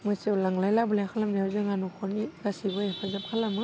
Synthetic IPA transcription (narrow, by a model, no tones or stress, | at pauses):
mɯsewlaŋlajlabɯlajakʰalamniazɯŋanukʰɔɾniɡasibɯjpʰazap̚kʰalamɯ